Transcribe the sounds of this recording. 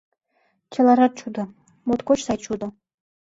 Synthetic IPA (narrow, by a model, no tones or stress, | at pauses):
t͡ɕɤ̆lˠɑɾɑt̪̚t͡ɕud̪ɤ̆ | mot̪kot͡ɕsɑjt͡ɕud̪ɤ̆